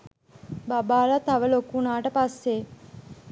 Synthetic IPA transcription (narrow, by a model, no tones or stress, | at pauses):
babaːlat̪ɐʋəlokunaːʈəpasːe